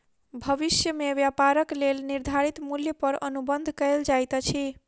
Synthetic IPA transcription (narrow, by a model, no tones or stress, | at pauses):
bʱəβisjəmeʋjapaɾəklelniɾd̪ʱaɾit̪muljəpəɾənubənd̪ʱkəld͡ʒajt̪t͡ʃʰi